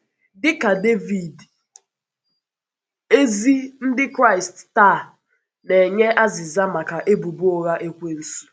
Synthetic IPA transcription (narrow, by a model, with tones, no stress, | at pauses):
dɪ˦ka˨de˦vi˨d | e˦zi˦n̩˦dɪ˦kɾa˦˨ɪi˨stta˦˨ | ne˨ɲe˦ʔa˦zɪ˨za˦ma˨ka˨ʔe˦bu˨bu˦o˨ɣa˦ʔe˦kʷe˦n̩˨su̥˦